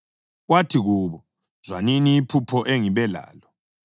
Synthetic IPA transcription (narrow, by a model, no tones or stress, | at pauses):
watʰiɣuːβɔ | z̥waniniːpʰupʰɔʔeŋiβɛla̰ːlɔ